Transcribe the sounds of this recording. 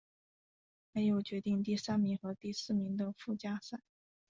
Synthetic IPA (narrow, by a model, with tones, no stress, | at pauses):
me˧˥ɪjo˨˩ʊt͡ɕɥɛ˧˥t̪i˥˧ŋt̪i˥˧sa˥nmi˧˥ŋxɤ˧˥t̪i˥˧sɹ̩˥˩mi˧˥ŋd̪ə˧fu˥˩t͡ɕja˥sa˥˩